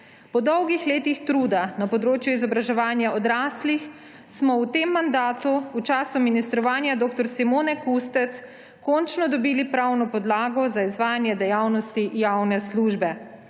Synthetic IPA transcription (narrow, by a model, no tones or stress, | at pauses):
pɔd̪ɔwɡixleːt̪ixt̪ɾud̪anapɔd̪ɾoːt͡ʃjuizɔbɾaʒɛʋaːnjaɔd̪ɾaːslix | smɔwt̪eːmːand̪aːt̪uut͡ʃaːsuminist̪ɾɔʋaːnjad̪oːk̚t̪ɔɾsimoːnɛkust̪ɛt̪s | kɔnt͡ʃnɔd̪ɔbiːlipɾawnɔpɔd̪laːɡɔzaizʋaːjanjɛd̪ɛjawnɔst̪ijawnɛsluːʒbɛ